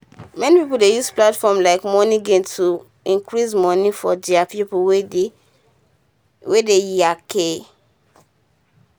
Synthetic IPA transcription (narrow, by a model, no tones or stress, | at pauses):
mɛnipipoldejusplatfɔmlaɪkmɔnĩɡẽntʰu | ĩŋkɹismɔnifɔd͡ʒiapipuwe | wedejakʰe